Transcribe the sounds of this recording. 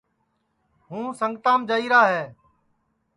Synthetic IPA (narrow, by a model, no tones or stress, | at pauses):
ɦũːsəŋɡt̪ãːmd͡ʒəiːɾaːɦɛː